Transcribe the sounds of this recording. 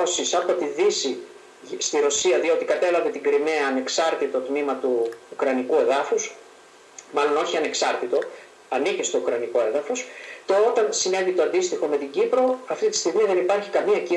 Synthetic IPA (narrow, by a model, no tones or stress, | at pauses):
osisɐpo̞t̪iðisi | st̪iɾo̞siɐðio̞t̪ikɐt̪e̞lɐve̞t̪iɡɾime̞ɐːne̞ksɐɾt̪it̪o̞t̪mimɐt̪uːkɾɐnikue̞ðɐfus | mɐlo̞no̞çiɐne̞ksɐɾt̪it̪o̞ | ɐnicest̪o̞ukɾɐniko̞e̞ðɐfo̞st̪oot̪ɐnsine̞vit̪o̞ɐnd̪ist̪ixo̞me̞t̪iɲɟipɾo̞ɐft̪it̪i̥st̪iɣmiðe̞nipɐɾçikɐmiɐci